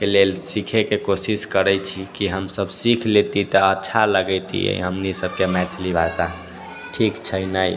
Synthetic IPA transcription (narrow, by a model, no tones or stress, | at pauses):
kelelsikʰekekosiskəɾəjt͡ʃʰikiɦəmsəbsikʰlet̪it̪əətːʃʰaləɡəɪt̪ḭə̰ɦəmnisəb̚kemɛt̪ʰlibʱasa | ʈʰikt͡ʃʰəinəj